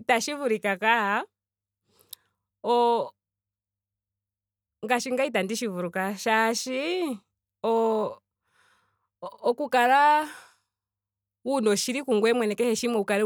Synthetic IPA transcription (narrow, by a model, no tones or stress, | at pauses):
taʃivuɾikakaa | ɔ | ŋɡaʃiŋɡait̬andiʃivuɾukaʃaʃi | ɔ | kukaɾa | unɔʃiɾikuŋɡwɛmwɛnɛkɛhɛʃimɔukaɾɛ